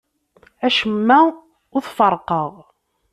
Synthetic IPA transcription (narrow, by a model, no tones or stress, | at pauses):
æʃəmːæ | ʊθfɑɾˤqəʁ